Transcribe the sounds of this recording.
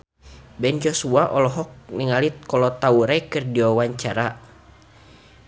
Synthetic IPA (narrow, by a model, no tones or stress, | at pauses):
bɛnd͡ʒɔsuaʔɔlɔɦɔk̚niŋalit̪̚kɔlɔt̪auɾakɨrdiɔwaɲt͡ʃaɾa